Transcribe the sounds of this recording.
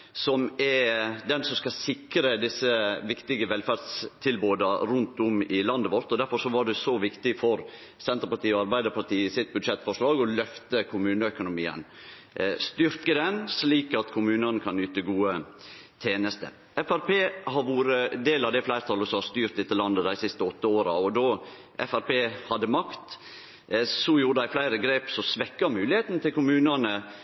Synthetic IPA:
sɔmɛɾd̪ɛnsɔmskɑsɪkɾəd̪ɪsːəʋɪkt̪ɪɡəʋɛlfæɾd̪st̪ʰɪlboːd̪əɾʉnt̪ʊmɪlɑnd̪əʋɔɾt̪ɔd̪æɾfɔɾʂɔʋɑɖɛsɔʋɪkt̪ɪfɔɾ | sɛnt̪ɾpɑʈ̪iːɔɑɾbæɪd̪əɾpɑʈiːɪsɪt̪̚bʉd̪ʂɛt̪ːfɔʂlɑːɡɔlœft̪əkʰʊmʉːnəœkʊnʊmḭːə̰n | st̪ʏɾkəd̪ɛnsliːkɑt̪kʰʊmʉːnɑnəkʰɑnyːt̪əɡuːə | t̪ʰeːnəst̪ə̰ɾ | ɛfæɾpeːhɑɾʋuːɾəd̪eːlɑʋd̪ɛflæɪɾt̪ʰɑləsɔhɑɾst̪yːɾt̪d̪ɛt̪ːəlɑnd̪əd̪æɪsɪst̪əɔt̪ːəoːɾɑɔd̪ɔː | ʔɛ̰fæɾpeːhɑd̪ːəmɑkt̪ | sɔjuːɾəd̪æɪflæɪɾəɡɾeːpsɔsʋɛkːɑmʉːlɪheːt̪n̩t̪ɪlkʊmʉːnənə

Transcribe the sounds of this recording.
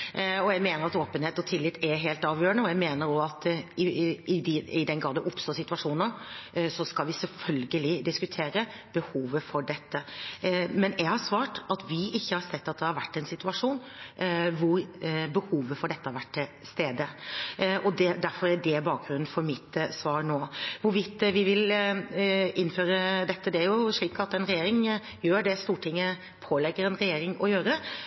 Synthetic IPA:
ɔjæmeːnəɾɑt̪oːpənheːt̪ɔt̪ʰɪlːɪt̪ʰːɛɾɦeːlt̪ɑːʋjøːɾəɳəɔjæɪmeːnəɾoɑt̪ɪʔɪɪd̪ɛnɡɾɑːd̪əʔʊpst̪oːsɪt̪ʉɑʂuːnnəsɔskɑlʋɪsɛlfœlɡəlɪd̪ɪskʉt̪ʰeːɾə | b̥əhuːʋəfɔɖɛt̪ːə | mɛnjæɪɡhɑɾʂʋɑːʈɑt̪ʋɪʔɪçːəhɑɾsɛt̪ːɑt̪̚d̪ɛhɑɾʋæʈːɛnsɪt̪ʉɑʂuːn | ʋʊɾbəhuːʋəfɔɖɛt̪ːəhɑɾʋæʈːʰɪlst̪eːd̪ə | ʔɔd̪ɛd̪æɾfɔɾæɖɛbɑːk̚ɡɾʉnn̩fɔɾmɪt̪sʋɑːɾnoːʋʊɾʋɪt̪ːʋɪʋɪl | ʔɪnːføːɾəd̪ɛt̪ːəd̪ɛæɾjʊʂɭiːkɑt̪ːɛnɾɛjeːɾɪŋ | jøːɖɛst̪uːʈʰɪŋːə | pʰoːlɛɡːəɾɛnɾɛjeːɾɪŋɔjøːɾə

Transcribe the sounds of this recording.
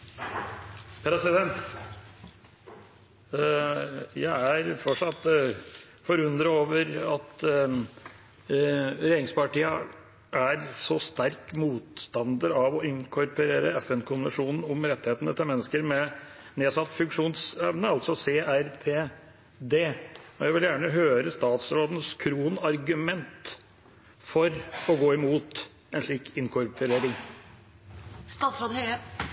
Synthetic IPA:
pʰɾɛsɪd̪ɛnt̪ | jæɪæɾfɔʈʂɑt̪ː | fɔɾʉnd̪ɾəoːʋəɾɑt̪ | ɾeːɾɪŋspɑʈiːə | ʔæɾsɔst̪æɾkmuːt̪st̪ɑnd̪əɾɑʋɔɪŋkʰɔɾpəɾeːɾəɛfɛnkʰʊnʋɛɳʂuːnn̩ʊmɾɛt̪ːɪheːt̪ənət̪ɪlmɛnːəskəɾmɛneːsɑt̪ːfʉŋkʂuːnsɛʋnəɑlt̪sɔseːæɾpʰeː | d̪eːɔjæɪʋɪljæːɳəɦøːɾəst̪ɑːt̪sɾoːd̪n̩skʰɾuːnɑɾɡʉmɛnt̪ | fɔɾɔɡoːɪmuːt̪ | ɛnʂɭiːkɪŋkʰʊɾpʰəɾeːɾɪŋ | st̪ɑːt̪sɾoːd̪hœ

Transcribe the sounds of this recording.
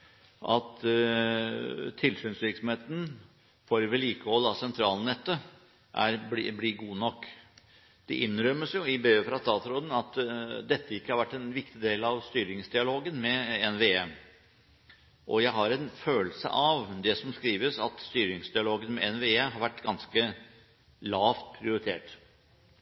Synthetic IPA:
ʔɑt̪ | t̪ʰːɪlsyːnsʋɪɾksɔmheːt̪n̩ | fɔɾʋɛliːkəɔlɑsɛnt̪ʰɾɑːlnɛt̪ːə | ʔæ̰ɾbbliːɡuːnɔkː | d̪̥ɛʔɪnɾœmːəsjʊɪbeːfɾɑst̪ɑːt̪ɾoːd̪ən̩ɑt̪d̪ɛt̪ːəɪkːəhɑɾʋæʈːɛnʋɪkt̪ɪd̪eːlɑʋst̪yːɾɪŋsd̪ɪɑloːɡənmɛɛnʋeːɛm | ʔɔjæɪɦɑɾɛnføːlsə̰ʔɑʋd̪ɛsɔmskɾiːʋəsɑ̰t̪st̪yːɾɪŋsd̪ɪɑloːɡənmɛɛnʋeːɛɦɑɾʋæʈːɡɑnskə | lɑːft̪̚pʰɾɪʊɾɪt̪ʰḛːʈ

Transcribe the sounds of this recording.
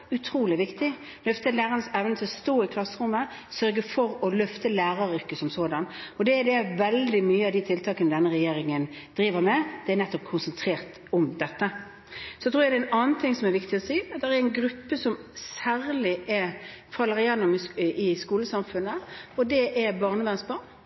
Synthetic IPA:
ʉt̪ʰɾuːlɪʋɪkt̪ɪ | lœft̪əlæːʁənəsɛʋnət̪ʰɪlɔst̪oːɪkʰlɑsəɾʊmːəsœɾɡəfɔɾɔlœft̪əlæːɾɑɾʏɾkəsɔmsoːd̪ɑnɔd̪ɛːd̪ɛʋɛld̪ɪmyːəɑʋd̪ɪt̪ʰɪlt̪ʰɑːkənəd̪ɛnːəʁɛjeːɾɪŋən | d̪̥ɾiːʋəɾmɛd̪̥ɛɛnɛt̪ːɔp̚kʰʊnsənt̪ʰɾeːɾt̪ | ɔmd̪ɛt̪ːə | sɔɛt̪ʰɾuːjæd̪ɛnɑːnt̪ʰɪŋːsɔmɛɾʋɪkt̪ɪɔsiːd̪ɛʁæɾæɪnɡɾʉpːəsɔmsæːɾlɪʔɛfɑlːəɾɪjɛnːʊmɪɪskuːləsɑmfʉnːəɔd̪ɛʔɛbɑʁnəʋæʁnsbɑːn

